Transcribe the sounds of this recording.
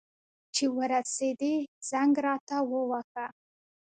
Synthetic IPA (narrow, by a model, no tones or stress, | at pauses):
t͡ʃewəɾased̪iz̥aŋɡɾɑt̪ʰawəwaka